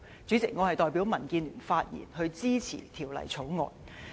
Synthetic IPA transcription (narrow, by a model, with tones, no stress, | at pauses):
t͡syː˨˥t͡sɪ˨k̚ŋɔː˨˧hɐ˨jt̪ɔː˨jpi˨˥wmɐ˨˩nkiː˧nlyː˨˩nfaː˧t̚jḭː˨˩nhɵ˧ɥt͡siː˥t͡sʰḭ˨˩t̪ʰiː˨˩wlɐ̰˨˩jt͡sʰo˨˥wŋɔ̰ː˨˧n